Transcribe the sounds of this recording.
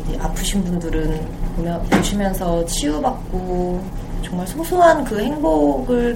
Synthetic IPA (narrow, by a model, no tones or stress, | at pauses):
iʔapʰɯɕʰinbundɯɾɯnomjʌpoɕʰimjʌnsʰʌt͡ɕʰiubak̚k͈o | t͡ɕʌŋmaɭsʰosʰuɦankɯhe̞ŋboɡɯɭ